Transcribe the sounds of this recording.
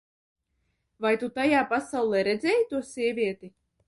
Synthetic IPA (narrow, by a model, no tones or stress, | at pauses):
vajt̪ut̪ajaːpasawlˠɛːɾɛd̪zʲɛːjt̪uɔsʲiɛvʲiɛt̪i